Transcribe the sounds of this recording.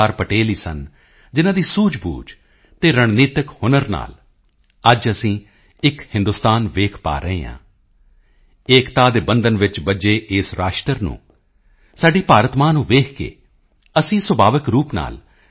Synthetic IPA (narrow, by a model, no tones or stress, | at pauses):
aːɾpəʈeːliːsə̰n | d͡ʒɪnãːd̪iːsuːd͡ʒbṵːd͡ʒ | t̪eːɾəɳ̃niːt̪əkhʊnəɾna̰ːl | əd͡ʒəsĩː | ɪkhɪ̃nd̪ʊst̪aːnʋeːkʰpa̰ːɾəɦḛːɦã̰ː | eːkt̪aːd̪eːbənd̪ənʋɪt͡ʃbəd͡ʒeːʔeːsɾaːʃʈəɾnṵ̃ː | saːɖiːpaːɾət̪maːnũːʋeːkʰkḛː | əsĩːswəbʱaːʋəkɾuːpna̰ːl